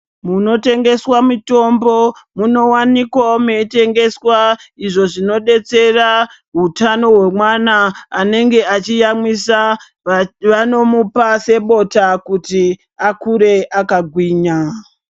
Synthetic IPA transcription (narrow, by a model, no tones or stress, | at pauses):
muno̞te̞ŋɡe̞swamito̞mbo̞muno̞wanikwame̞ite̞ŋɡe̞swaiʐo̞ʐino̞ɗe̞t͡se̞ra | ɦutano̞ɦwe̞mwanaːne̞ŋɡe̞ʔat͡ʃijamwisa | ʋano̞mupase̞ɓo̞takuti | akuɾe̞ʔakaɡʱwiːɲa